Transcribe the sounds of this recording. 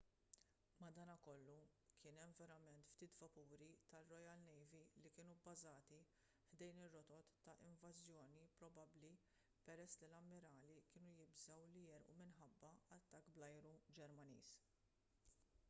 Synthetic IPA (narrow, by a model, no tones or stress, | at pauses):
mɐd̪ɐːnɐkɔlːukʰɪːnɛmvɛɾɐmɛnt̪ft̪iːt̪vɐpuːɾit̪ɐrɔjɐlnɛjvilikɪːnubɐzɐːt̪i | fd̪ɛjnɪrːɔt̪ɔt̪ːɐʔɪɱvɐzjɔːnipɾɔbɐbli | pɛɾɛsːlilɐmːɪɾɐːlikɪːnujɪbzɐwlijɛɾʔṵmɪnħɐbːɐɐt̪ːɐkːblɐjɾud͡ʒɛɾmɐnḭːs